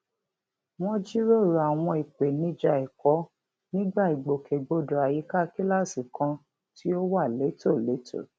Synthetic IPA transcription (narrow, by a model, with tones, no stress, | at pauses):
w̃ɔ̃˦d͡ʒi˦ɾo˦˨ɾo˨a˨w̃ɔ̃˧i˨k͡pe˨nĩ˦d͡ʒa˧˨i˨kɔ˨˦ | nĩ˦ɡ͡ba˦˨i˨ɡ͡bo˨kʰe˨ɡ͡bo˧do˨a˨ji˨˦ka˦˨ki˦la˦˨si˨kã˧ | ti˦o˦wa˦˨le˨˦to˦˨le˨˦tʰo̰˦˨